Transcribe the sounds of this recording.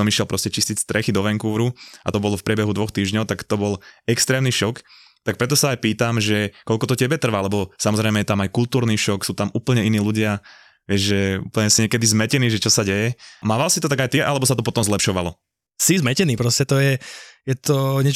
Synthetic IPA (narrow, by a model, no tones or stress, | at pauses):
ɔmiʃɛlpɾɔscɛt͡ʃiscicst̪ɾʔɛxid̪ɔʋɛŋkuːɾua̰t̪ɔbɔlɔfpɾɪɛbɛɦud̪ʋɔxt̪iːʒɲɔʊt̪akt̪ɔbɔlɛkst̪ɾɛːmniʃɔk | t̪ak̚pɾɛt̪ɔsaajpiːt̪amʒɛkɔlkɔt̪ɔcɛbɛt̪r̩ʋalɛbɔsamɔzɾɛjmɛjɛt̪amajkult̪uːɾniːʃɔksuːt̪amuːpl̩ɲɛiniːluɟɪa | ʋɪɛʒʒɛṵːpl̩ɲɛsiɲɪɛkɛd̪izmɛcɛniːʒɛt͡ʃɔsaɟɛjɛmaːʋalsit̪ɔt̪aɡajt̪iʔalɛbɔsat̪ɔpɔt̪ɔmzlɛpʃɔʋalɔ | sizmɛcɛniːpɾɔscɛt̪ɔjɛjɛt̪ɔɲɛ